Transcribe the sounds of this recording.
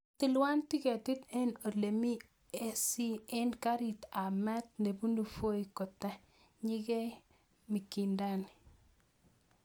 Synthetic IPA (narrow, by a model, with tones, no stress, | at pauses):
ti˨lwa˦nti˦ke˨tu˦te˦no˨le˨mi˦ | e˦si˦e˦nka˦ɾi˨ta˨mɛ˦t̚ne˨bu˦nu˨fo˦ikɔ˨ta˦ | ɲi˦kɛ˦ | mi˨ki˨nda˦n